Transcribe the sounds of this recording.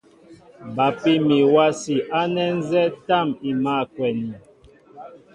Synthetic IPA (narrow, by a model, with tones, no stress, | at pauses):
ba˨pi˦mi˨wa˦si˨ʔa˦nɛ˦n̩˦zɛ˦ta˦˨mi˨ma˦˨kwɛ˨ni˨